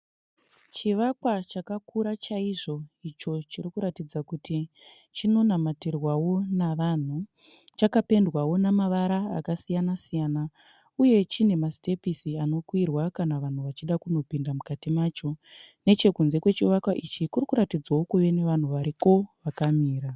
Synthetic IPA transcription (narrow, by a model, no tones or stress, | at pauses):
t͡ʃiʋakwat͡ʃakakuɾat͡ʃaiʐo̞it͡ʃo̞t͡ʃirikuɾatid͡zakuti | t͡ʃino̞namaterwawo̞naʋan̤u | t͡ʃakape̞ndwawo̞namaʋaɾaa̰kasijanasijaːna | uje̞t͡ʃine̞maste̞pisiano̞kwirwakanaʋan̤uʋat͡ʃiɗakuno̞pindamukatimaːt͡ʃo̞ne̞t͡ʃe̞kunze̞kwe̞t͡ʃiʋakwaʔit͡ʃikurikuɾatid͡zawokuʋe̞ne̞ʋan̤uʋaɾiko̞ʋakamiːɾa